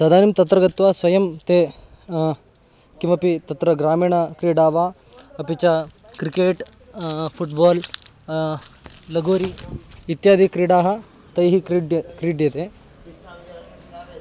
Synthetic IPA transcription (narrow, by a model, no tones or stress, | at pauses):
sɐd̪aːnimt̪ɐt̪ɾɐɡɐt̪ʋaːsʋɐjɐmt̪eː | kimɐpit̪ɐt̪ɾɐɡɾaːmiːɳɐkɾiːɖaːʋaː | ɐpit͡ʃakɾikeːʈ | pʰuʈbaːl | lɐɡoːɾiːt̪jaːd̪ʱikɾiːɖaːɦɐ̆ | t̪ɐjɦiɖkɾiːɖjɐt̪eː